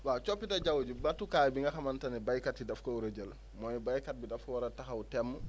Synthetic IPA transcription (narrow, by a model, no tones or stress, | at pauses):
wat͡ʃopːitɐɟawɟubɐtukaːjbiŋɡɐxɐmantɐnɛbajkatidɐfkɐuɾəɟəl | mɔjbajkat̚bidɐfwaɾɐtaxɐutɛmːə